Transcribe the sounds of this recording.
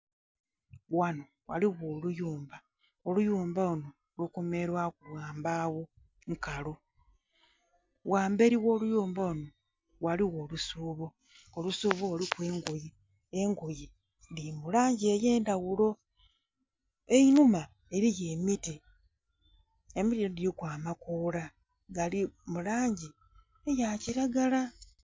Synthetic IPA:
wano | wa̰liɣoːlujuːmba | olujuːmbauno | lukumeɾwakulwaːmbawo | ŋkalo | waːmbe̞ɾiwo̞ːlujuːmbauno | waliɣo̞ːlusuβo | olusuːβolikwe̞ːŋɡuji | eŋɡuji | dimulaːɲɟiejeːndaɣulo̞ | einuma | e̞ɾijeːmiti | emitidiikwaːmakoːla | ɡalimulaːɲɟi | ejaciɾaɡala

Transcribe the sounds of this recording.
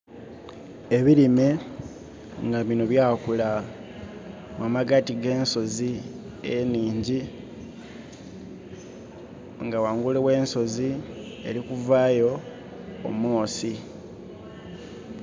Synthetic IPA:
e̞βiɾime | ŋɡaβinoβjaːkula | mwamaɡatiɡe̞ːnso̞zi | eniːɲɟi | ŋɡawaːŋɡulewe̞ːnso̞zi | e̞̰ɾikuvaːjo̞̰ː | moːsi

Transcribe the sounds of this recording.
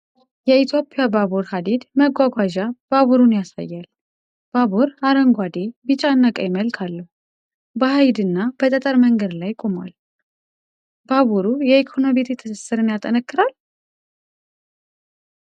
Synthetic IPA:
jɛit̪ʰjo̞pʼijabaβuɾhad̪ed̪məɡʷaɡʷaʒab̥aβuɾunjasa̰jːal | b̥aβuɾaɾəŋɡʷad̪e̞bɨt͡ʃʼanːakʼəjɪməlkʰalːəhu | bəhajd̪ɨnːab̥ət̪ʼət̪ʼəɾməŋɡəd̪lajkʼo̞ma̰l | b̥aβuɾujɛikʰo̞nobet̪ʰɛt̪ʰːɨsɨsːɨɾɨnjat̪ʼənəkːɨɾal

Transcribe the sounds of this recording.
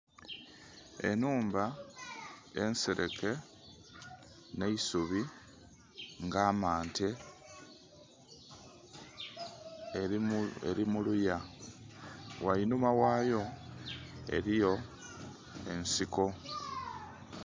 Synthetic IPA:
e̞̰nuːmba | e̞̰nseɾʔe̞̰kʰe̞ | ne̞isuβi | ŋɡaːmaːnte | ḛɾimuluja | wainumawaːjo̞ | e̞̰ɾijo̞ | e̞nsiko̞

